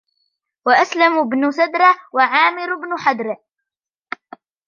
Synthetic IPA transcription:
waʔaslambnʊsad̪ɾˤɑwaʕaːmɪɾʊbnʊħad̪ɾ

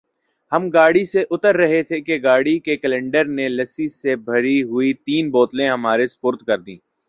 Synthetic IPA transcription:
hɐmɡaːɽiseʔʊt̪əɾːɐɦet̪ʰekeɡaːɽikekəlɛ̃ːɳɖəɾnelɐsisebʱɐɾiɦʊit̪iːnboːt̪lẽɦɐmaːɾespʊɾt̪kɐɾd̪ĩː

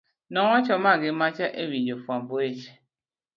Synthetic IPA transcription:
nɔŋʷat͡ʃɔmaɡɪmat͡ʃaʔewid͡ʒofuamboet͡ʃe̥

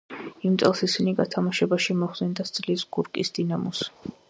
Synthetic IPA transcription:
imt̪sʼɛlˠsisiniɡat̪ʰamaʃɛbaʃimɔχɛnd̪ast̪sʼlisɡ̥uɾkʼḭsd̪̥inamɔs

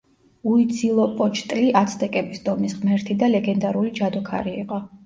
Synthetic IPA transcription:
uid̪zilˠɔpʼɔt͡ʃʰt̪ʼliʔat̪sʰd̪ɛkʼɛbisd̪ɔmisʁmɛɾt̪ʰid̪alɛɡɛnd̪aɾulid͡ʒad̪ɔkʰa̰ɾiːqʼɔ

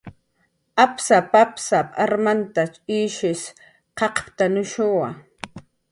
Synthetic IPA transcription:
apsapapsapʼaɾmant̪at͡ʃʼiːʃɪs | qɑqpt̪anʊʃʊwa

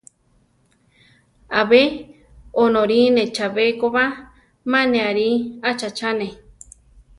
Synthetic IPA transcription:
aβe | onõɾinet͡ʃaβekoβa | manẽaɾiat͡ʃat͡ʃane

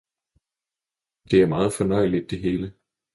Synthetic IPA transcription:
d̥e̝æɐmɑ̈ːð̞̩ˠfɒ̽nɒɪ̰lid̥̚ːe̝ɦeːlə

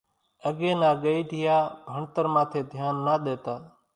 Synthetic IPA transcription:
əɠeːnãːɠəiːʈɪjaːbʱəɳt̪əɾmãːt̪ʰeːd̪ʱɪjaːnːaːɗ̪eːt̪aː

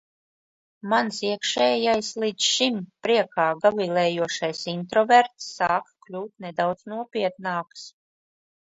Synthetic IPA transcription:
mansiɛkʃɛːjajslˠid̪sʃimpɾiɛkaːɡavilˠɛːjuɔʃajsint̪ɾɔvɛɾt̪sːaːkklʲuːt̪nɛd̪awd̪znuɔpiɛt̪̚naːks

